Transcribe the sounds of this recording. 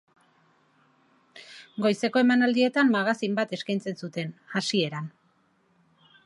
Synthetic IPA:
ɡo̞jse̞ko̞e̞manald̪ie̞t̪ammaɣasimbat̪e̞skajnt͡se̞nsut̪e̞nasie̞ɾan

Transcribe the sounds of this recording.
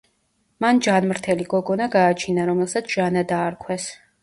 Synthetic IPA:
mand͡ʒanmɾt̪ʰɛliɡɔɡɔnaɡaːt͡ʃʰinaɾɔmɛlˠsat̪sʰʒ̥anad̪aːɾkʰwɛs

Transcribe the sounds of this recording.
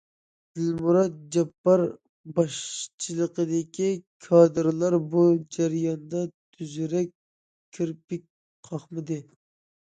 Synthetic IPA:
d̪̥ɪlmuɾɑt̪̚d͡ʒɛpːɑɾ | bɑʃt͡ʃʰɨlˠəqəd̪ɪkʲikʰɑːd̪ɨɾlˠɑɾbud͡ʒæɾjɑnd̪ɑt̪ʰyzyɾɛkʲʰː | ɾpɪk̚ʲ | qʰɑχmɨd̪ɨ

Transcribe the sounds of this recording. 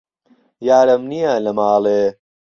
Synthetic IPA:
jaːɾɐmnijalɐmaːleː

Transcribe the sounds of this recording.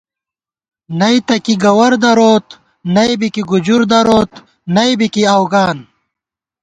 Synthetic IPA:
nɐjt̪ɐkiɡɐwɐɾd̪ɐɾoːt̪ | nɐjbikiɡud͡ʑuɾd̪ɐɾoːt̪ | nɐjbikiawɡaːn

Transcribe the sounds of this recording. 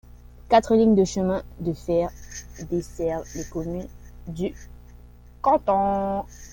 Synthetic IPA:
kat̪χəliɲd̪əʃəmɛ̃d̪əfɛʁd̪esɛʁvlekɔmynd̪y | kɑ̃t̪ɔ̃

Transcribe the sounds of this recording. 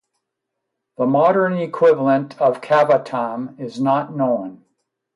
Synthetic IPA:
ðəmɑɾə̃˞nikʰw̥ɪvl̩ˠə̃ntʰʌv̥kʰævətʰãmɪznətⁿnõʊ̃n

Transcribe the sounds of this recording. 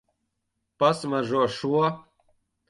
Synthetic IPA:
pasmaʒuɔʃuɔ

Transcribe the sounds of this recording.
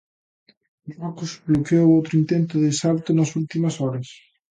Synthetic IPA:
ɔkuzblokeowowt̪ɾʊint̪ent̪ʊðesalt̪ʊnɐsult̪imɐsɔɾɐs

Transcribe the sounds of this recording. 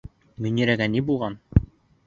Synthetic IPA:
mɵ̆niɾæɡænibulˠʁɑn

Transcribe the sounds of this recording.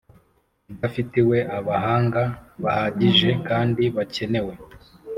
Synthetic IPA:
afitiwe̞ʔaβaɦaːŋɡaβahaɟiʒe̞kaːndiβace̞ne̞we̞

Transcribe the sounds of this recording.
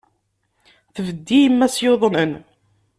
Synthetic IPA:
θəvəd̪ːijəmːæsjoðˤnən

